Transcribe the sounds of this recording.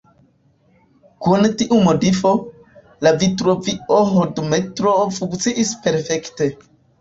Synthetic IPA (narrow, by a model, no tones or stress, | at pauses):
kuntiʔumodifo̞ | lavitɾoviʔoɦodmetɾofuŋkt͡siʔispe̞ɾfekte̞